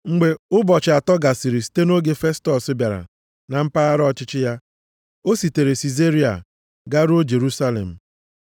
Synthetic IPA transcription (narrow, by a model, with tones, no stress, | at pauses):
ŋ͡m̩˨ɡ͡be˨ʊ˦bɔ˨t͡ʃɪ˨a˨tɔ˦ɡa˨sɪ˨ɾi˨si̥˨te˦no˦ɡe˦fe˦stɔ˨sɪ˦bja˨ɾa̰˨ | na˨m̩˦pa˦a˦ɾɔ˦˨t͡ʃɪ˦t͡ʃɪ˦ja˦ | o˦si˨te˨ɾe˨si˨ze˦ɾi˦a̰˨ | ɡa˦ɾd͡ʒe˨ɾu˦sa˦lḛ˨m̩˨